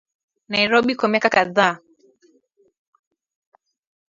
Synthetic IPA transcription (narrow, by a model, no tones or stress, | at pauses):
najɾɔɓikɔmiakakaða